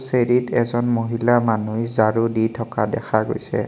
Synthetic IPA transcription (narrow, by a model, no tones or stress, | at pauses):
seɹitɛzɔnmoɦilamanujzaɹuditʰɔkadɛxʰaɡo̰jsɛ̰